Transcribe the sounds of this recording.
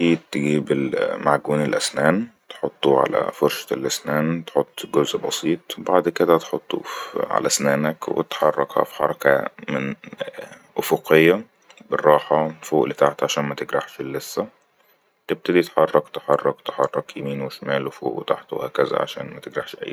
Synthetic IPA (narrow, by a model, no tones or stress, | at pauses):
iːt̪ːeɡiːbelmaʕɡuːnelʔæsnæːnt̪e̥ħot̪ˤːuʕa̰læ̰foɾʃɑ̥elʔæsnæːnt̪e̥ħot̪ˤːɡozʔbɑsˤiːt̪ˤbaʕd̪ked̪æt̪ħot̪ˤːṵʕa̰læʔsnæːnækwḛt̪ħɑrˤːɑ̰khɑ̰fi̥ħɑ̰ɾˤɑkæ̰mɪn | ʔofoqʰejːæ | berˤːɑːħɑfoːʔlet̪aʕt̪ʕaʃæːnmæt̪eɡɾɑħʃelːesːæ | t̪eb̚t̪æd̪it̪ħɑrˤːɑkt̪eħɑrˤːɑkt̪eħɑrˤːɑkjemiːnweʃmæːlwefo̰ːʔwet̪aħt̪wehæːkæzæ̰ʕa̰ʃæ̰ːnmæt̪eɡɾˤɑħʃʔæ̰jː